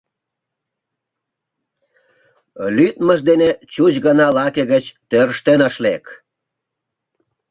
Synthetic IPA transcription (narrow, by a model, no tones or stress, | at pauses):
lyt̪məʒd̪enet͡ɕut͡ɕɣənɑlɑkeɣət͡ɕt̪øɾʃt̪enəʃlek